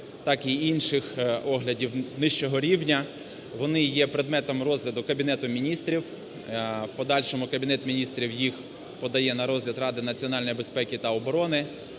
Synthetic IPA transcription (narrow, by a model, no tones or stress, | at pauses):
t̪ɑkiinʃɪxɔɦlʲɐdʲiwnɪʃt͡ʃɔɦɔɾʲiwnʲɐ | ʋɔnɪjɛpɾed̪mɛt̪ɔmrɔzɦlʲɐd̪ʊkɐbʲinɛt̪ʊmʲinʲist̪ɾʲiw | wpɔd̪ɑlʲʃɔmʊkɐbʲinɛt̪ʲmʲinʲist̪ɾʲiwjix | pɔd̪ɐjɛnɐɾɔzɦlʲɐd̪rɑd̪ɪnɐt͡sʲiɔnɑlʲnjibespɛkʲit̪ɐɔbɔɾɔnɪ